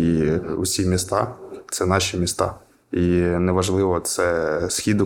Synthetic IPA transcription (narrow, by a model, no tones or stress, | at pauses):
iṵsʲimʲist̪ɑt̪sɛnɑʃʲimʲist̪ɑ̰ | inɛʋɐʒlˠɪʋɔt̪sɛsxʲid̪ʊ